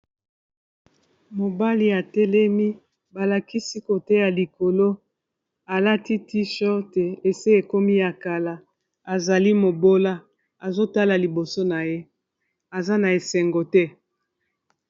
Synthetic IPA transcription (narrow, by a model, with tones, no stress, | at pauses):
mo˨ba˦li˦a˨tɛ˦lɛ˦mi˦ | ba˨la˨ki˦si˦ko˨tɛ˦ja˨li˨ko˨lo˦ | a˨la˦ti˦ti˦ʃɔ˦te˨e˨se˦e˨ko˦mi˦ja˨ka˨la˨ | a˨za˨li˦mo˨bo˦la˦ | a˨zo˦ta˦la˨li˨bo˨so˦na˨je˦ | a˨za˦na˨e˨sɛ˨ŋɡo˨tɛ˦